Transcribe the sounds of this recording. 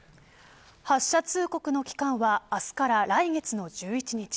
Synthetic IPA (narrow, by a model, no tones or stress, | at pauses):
haɕːat͡sɨːko̞kɯ̟no̞kʲi̥kãɰ̃βaːsɨ̥kaɾaɾaiɡe̞t͡sɨno̞d͡ʑɨːit͡ɕiɲ̟it͡ɕi̥